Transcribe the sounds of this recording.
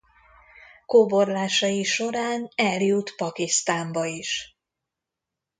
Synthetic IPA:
kobo̞rlaːʃɒjiʃo̞ɾaːnɛljut̪pɒkist̪aːmbɒiʃ

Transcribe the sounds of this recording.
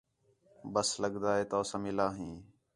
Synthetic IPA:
bəsləɡd̪aːɦeːt̪oːsãːmɪlaːɦĩː

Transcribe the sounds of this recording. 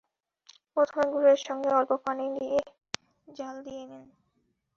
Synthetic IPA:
pɾot̪ʰomeɡuɾeɾʃɔŋɡeɔlpopanidie | d͡ʑald̪ijenen

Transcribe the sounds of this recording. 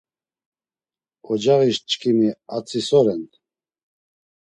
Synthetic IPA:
ɔd͡ʒaʁiʃt͡ʃʼkʰʼimiat͡sʰʼisɔɾɛn

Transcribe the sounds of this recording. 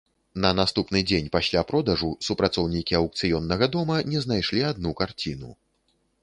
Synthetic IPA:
nɐnast̪upnɨd͡zʲenʲpasʲlʲapɾɔd̪ɐʐusupɾat̪sɔwnʲikʲiɐwk̚t̪sɨjɔnːɐɣɐd̪ɔmɐnʲɛznajʂlʲiad̪nukart͡sʲinṵ

